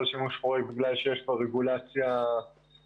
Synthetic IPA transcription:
ʃimuʃfoʁek̚biɡlalʃejeʃboʁeɡulat͡sja

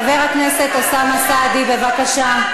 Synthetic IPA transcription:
veʁhaknese̞t̪osamasaːd̪ibe̞vakaʃa

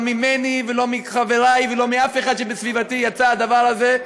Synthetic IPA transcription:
mimenivelo̞miχaveʁajvelo̞miafeχad̪ʃebesvivat̪ijat͡saad̪avaʁaze

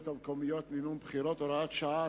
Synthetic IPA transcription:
t̪hamkomijot̪minunbχiɾot̪oɾaat̪ʃaa

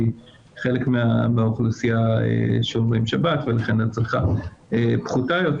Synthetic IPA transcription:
i | χelekmeameaoχlusiaḛʃomʁimʃabatvelaχenat͡sleχaepχutajot

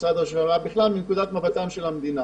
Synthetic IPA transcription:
sad̪oʃvaʁabiχlalminkud̪at̪mavat̪amʃelamd̪ina

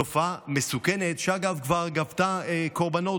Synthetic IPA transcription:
ofamesukenet̪ʃeaɡavkvaʁɡavt̪aeko̞ʁbano̞

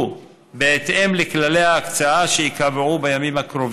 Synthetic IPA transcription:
beːt̪ʔemleklale̞jaːkt͡saaʃejikavʕubejamimhakɾo̞v

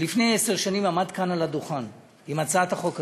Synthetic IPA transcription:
lifne̞jese̞ʁʃanimamad̪kanalad̪uχan | imat͡saat̪haχo̞k

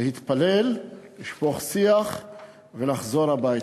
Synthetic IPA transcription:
ehit̪palelliʃpoχsiaχ | velaχzo̞ɾabaj

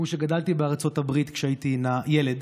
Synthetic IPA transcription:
uʃeɡad̪alt̪ibeaʁt͡so̞tabʁit̪kʃeait̪inajeled

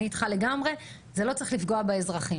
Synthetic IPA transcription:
it̪χale̞ɡamʁe̞ | zelo̞tt͡saʁiχlifɡo̞abeezʁaχi

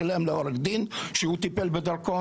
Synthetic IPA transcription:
alemleoɾekd̪inʃehut̪ipelbed̪aɾko

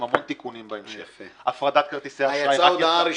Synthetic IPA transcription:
mhamont̪ikunimbaemʃeʔafʁad̪at̪̚kaʁt̪iseaajaaaad̪aaɾi

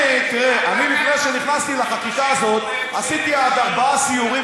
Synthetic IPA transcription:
t̪eanimipneʃeniχnast̪ileχakikaːzo̞t̪ | asit̪iad̪aʁbaasiuʁi

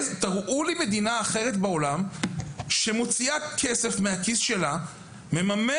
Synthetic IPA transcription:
t̪aʁʔulime̞d̪inaːχe̞ʁ̞et̪beo̞lam | ʃe̞mo̞t͡siakʰese̞fmeakisʃe̞la | me̞mame

